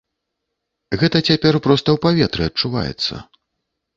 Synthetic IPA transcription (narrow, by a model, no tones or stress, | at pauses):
ɣɛt̪ɐt͡sʲapʲɛrpɾɔst̪ɐwpavʲɛt̪ɾɨɐt͡ʂuva̰jɛ̰t̪sːɐ̰